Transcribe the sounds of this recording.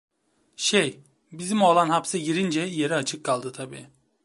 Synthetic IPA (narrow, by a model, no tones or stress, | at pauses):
ʃej | bizimo̞lˠanɦapsɯɟiɾind͡ʒɛje̞ɾiat͡ʃʰɯkʰːalˠd̪ɯt̪ʰabḭː